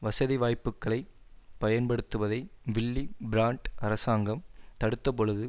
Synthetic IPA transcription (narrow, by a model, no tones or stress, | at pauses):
ʋɐsɐðiʋaːjpːɯkːɐɭɐɪpɐjɐnpɐɽɯt̪ːɯʋɐðɐɪʋɪɭːibɪɾaːɳʈʔɐɾɐsaːŋɡɐmt̪ɐɽɯt̪ːɐp̬ɔɻɯðɯ